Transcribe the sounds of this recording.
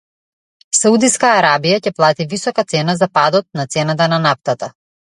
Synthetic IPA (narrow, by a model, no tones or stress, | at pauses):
saud̪iskaːɾabijacɛplˠat̪ivisɔkat̪sɛnazapad̪ɔt̪̚nat̪sɛnat̪̬ananaft̪at̪a